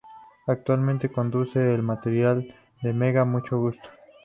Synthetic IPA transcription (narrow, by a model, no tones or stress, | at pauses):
ak̚t̪walmẽnt̪eko̞nd̪use̞ːlmat̪e̞ɾjal | d̪emeɣamut͡ʃo̞ɣust̪o̥